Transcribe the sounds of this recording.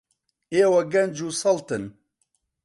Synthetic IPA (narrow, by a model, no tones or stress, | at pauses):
eːwɐɡɐnd͡ʒusɐlt̪ɨn